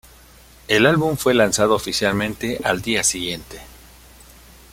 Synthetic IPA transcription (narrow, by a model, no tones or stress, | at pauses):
elalβuɱfwe̞lansað̞oːfisjalmẽ̞nt̪e̞ʔald̪iasiɣje̞nt̪e̞̥